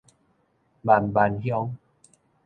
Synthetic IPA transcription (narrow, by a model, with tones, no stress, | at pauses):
ba˨˩nba˧nhjɔ˧˦ŋ